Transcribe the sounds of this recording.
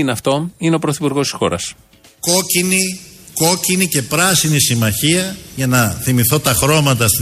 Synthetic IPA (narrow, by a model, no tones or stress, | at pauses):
ineɐft̪o̞ineo̞pɾoθipuɾɣo̞st̪i̥sxo̞̰ɾɐ̰s | ko̞ciniko̞cinice̞pɾɐsinisimɐçiɐʝɐnɐθimiθo̞t̪ɐxɾo̞mɐt̪ɐs